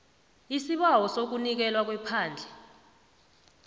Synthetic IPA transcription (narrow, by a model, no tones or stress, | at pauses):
isiɓawɔsok̬unik̬ɛlwak̬wɛpʰaːnd͡ɮʱɛ